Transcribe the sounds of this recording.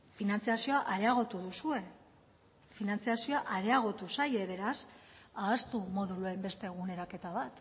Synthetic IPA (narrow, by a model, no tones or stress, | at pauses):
finant͡siasio̞aʔaɾe̞aɣ̞o̞t̪uðusue̞ | finant͡siasio̞aʔaɾe̞aɣ̞o̞t̪usaje̞β̞e̞ɾasaːst̪umo̞ðuloembe̞st̪e̞ɣ̞une̞ɾake̞t̪aβat̪